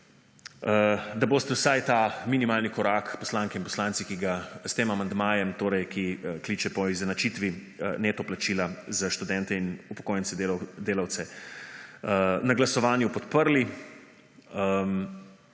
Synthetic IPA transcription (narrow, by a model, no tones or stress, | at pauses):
əd̪aboːst̪ɛwsajt̪aːminimaːlnikɔɾaːkpɔslaŋkɛinpɔ̥slaːnt̪sikiɡast̪eːmamand̪maːjɛmt̪oːɾɛjkʰikliːt͡ʃɛpɔiznat͡ʃit̪ʋi | neːt̪ɔplat͡ʃiːlazaʃt̪ud̪ɛnt̪ɛinupɔ̥koːjɛnt̪sɛd̪eld̪eːlawt̪sɛ | naɡlasɔʋaːnjupɔt̪pəɾli | m